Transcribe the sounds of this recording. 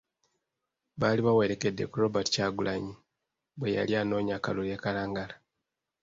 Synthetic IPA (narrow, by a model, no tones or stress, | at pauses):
βaːliβawe̞ɾe̞ke̞dːe̞kuɾo̞bati̥caːɡulʔaɲi | βwe̞ja̰ljaːno̞ːɲakalule̞ːkalaːŋɡala